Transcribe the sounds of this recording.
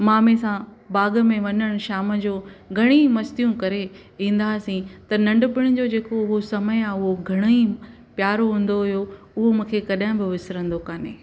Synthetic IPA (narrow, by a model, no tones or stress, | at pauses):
mãːmẽsãbaːɡəmẽʋɐɲəɽ̃ʃaːməd͡ʑoːɡʱɐɽ̃ĩmɐst̪ijũkɐɾe | ĩːnd̪aːsĩt̪ɐnɐ̃ɳɖʊpɪɽ̃ɪ̆d͡ʑod͡ʑeːkoʊɦosɐməjaːʊɦoɡʱɐɽ̃oĩ | pjaːɾoɦũːn̆d̪oɦʊjo | ʊɦomũːkʰekɐɗaːɦɪ̃bɪʋɪsɾə̃nd̪okaːnḛː